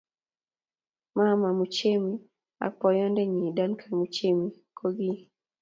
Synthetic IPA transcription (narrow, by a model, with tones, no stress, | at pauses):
ma˦ma˨mu˨t͡ʃe˦mi | a̰˨pɔ˨jɔ˦ndɛ˦ɲida˦nkʰamu˨t͡ʃe˦mi˨kʰoɡi˦